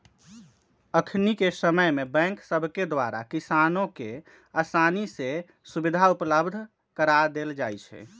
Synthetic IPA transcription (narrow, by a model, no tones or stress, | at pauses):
əkʰnikesəməjmebɛ̃ŋksəbʱked̪waɾa̰kisanõke | asanise | subid̪ʱaupləbd̪ʱ | kəɾad̪eld͡ʒajt͡ʃʰɛ̰